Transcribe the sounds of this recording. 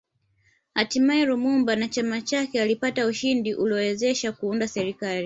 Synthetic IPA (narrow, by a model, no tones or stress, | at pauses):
hatimaɛɾumumbanat͡ʃamat͡ʃakɛalipatauʃindiʔuliɔwɛzɛʃakuundasɛɾikali